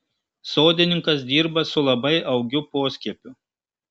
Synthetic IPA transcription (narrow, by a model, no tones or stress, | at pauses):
soːd̪ʲɪnʲɪŋkɐs̬d̪ʲiːɾbɐsʊlˠɐbɐɪɐʊɡʲʊpoːsʲkʲiɛpʲʊ